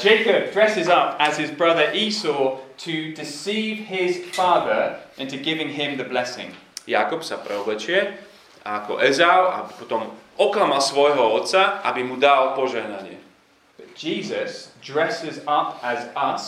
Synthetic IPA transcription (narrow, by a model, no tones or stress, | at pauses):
d͡ʒɛɪkəb̚dɹɛsɪzʌpəz̥ɦɪzbɹʌðəɹʔiːsɔːtʰədɪsiːvɦɪz̥fɑːðə˞ʔə̃ntɨɡɪvɪ̃ŋɦɪ̃mðəblɛsɪ̰̃ŋ | ja̰kɔpsapɾʔɛ̰ɔblɛt͡ʃujɛ | akɔ̰ʔɛzaʊa̰bipɔt̪ɔmɔklamalsʋɔjɦɔɔt̪saʔa̰bimud̪alpɔʒɛɦnaɲɪɛ̰ | b̥ət̚d͡ʒiːzəsdɹɛsɪzʌpəzʌs